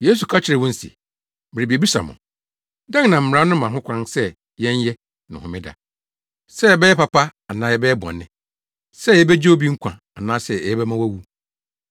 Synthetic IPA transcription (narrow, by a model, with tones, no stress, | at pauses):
je˦s̬u˨kʰa˦t͡ɕʰɪ˦ɾɪ˨wɔ̃˦n̩˦sḭ˨ | mɪ˨ɾi˨bi˨e˨bi˦sa̰˨mʊ̰̃˨ | dã˦ŋnã˨m̩˨m̩˨ɾã˦nʊ̃˦mã˨ɦʊ̃˦kʷʰã˦nsɛ˦ | jɛ̃˦ɲ˦jɛ˦ | nɪ̰̃˨hʊ̃˨mɪ̃˦da̰˨ | sɛ˦ɛ˨bɛ˦jɛ˦pa˨pa˦a˨nãː˨˦jɛ˦bɛ˦ɛ˦bɔ̰̃˨nːɪ̃˨ | sɛ˦˨jɛ˦bɛ˦d͡ʑe˦o˦bi˦ŋ̩˦kʷʰã̰˨ | a˨nãː˦sɛ˨ɛ˨jɛ˦bɛ˦mã˦wæ˦wu˦